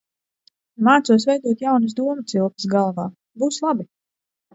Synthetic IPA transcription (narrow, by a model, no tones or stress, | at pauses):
maːt̪suɔs̬vɛjd̪uɔt̪jawnɨs̬d̪uɔmɐt̪silˠki̥sɡalˠvaː | buːslˠabi